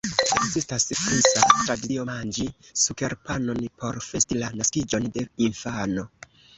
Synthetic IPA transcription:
ekzistasfisatɾadiomand͡ʒisuke̞ɾpano̞npo̞ɾfe̞stilanaskid͡ʒo̞nde̞infano̞

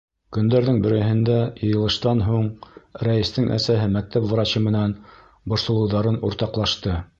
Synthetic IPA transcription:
kɵ̆nd̪æɾðɘŋbɘ̆ɾɘ̆ɦɘ̆nd̪æjɤ̆jɤ̆lˠɤ̆ʃt̪ɑnɦuɴɾæjɘ̆st̪ɘŋʔæ̰sæɦɘmæk̚t̪æpv̆ɾɑɕɤmɘ̆næn | bŏɾsŏlˠɤ̆wðɑɾɤnuɾt̪ɑqlˠɑʃt̪ɤ

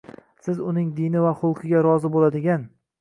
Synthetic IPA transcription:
sɪzʊnɪŋd̪ɪnɪvaχʊlˠqʰɨɡʲaɾɒzɪbolad̪ɪɡʲan

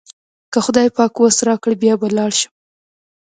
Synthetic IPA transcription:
kəxʊd̪ɑjpɑkwasɾɑkəɽbjɑbalɑɽʃə̥m

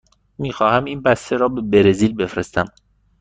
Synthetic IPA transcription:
miːxɒːhæmiːnbæst̪e̞ɾɒːbe̞beɾeziːlbe̞fɾest̪æm

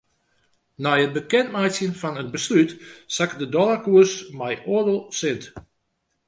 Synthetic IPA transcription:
nɛjət̚bəkɛntmɛjsjənfɔnənbəslytsakdədɔlakuəsmɛjʔodəlˠsɪnt

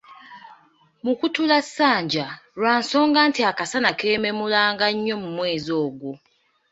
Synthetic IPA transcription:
mukutulasːaːɲɟaɾwaːnso̞ːŋɡaːntiakasanake̞ːme̞mulaːŋɡaɲːo̞mumwe̞ːzo̞ːɡwu

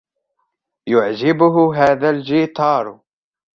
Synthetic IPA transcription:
jʊʕd͡ʒɪbʊɦʊɦaːðald͡ʒiːt̪ʰˤɑːɾˤ

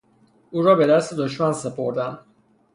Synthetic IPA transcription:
uːɾɒːbed̪æst̪ed̪oʃmænsepʰoɾd̪æn

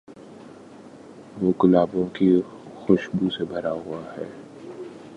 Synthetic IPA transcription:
ʋoːkɪlaːbõki | xʊʃbusebʱɐɾaɦʊahɛ̰ː

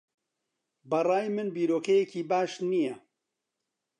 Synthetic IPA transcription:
bɐrˤaːjmɨnbiːɾoːkɐjeciːbaːʃnijɐ

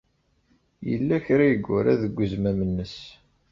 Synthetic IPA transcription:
jə̰lːæçɾæjəɡʷːʊɾæðəɡʷːəzmæmənːəs

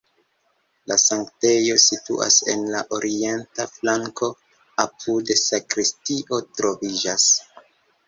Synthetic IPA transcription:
lasaŋkte̞jo̞sitṵa̰se̞̰nlaʔo̞ɾʔie̞ntaflaŋko̞ | apʰudesakɾistiʔo̞tɾo̞vid͡ʒas

